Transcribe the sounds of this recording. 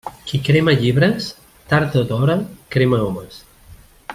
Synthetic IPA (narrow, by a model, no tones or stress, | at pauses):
kikɾeməʎiβɾəs | t̪aɾt̪əd̪ɔɾəkɾeməɔməs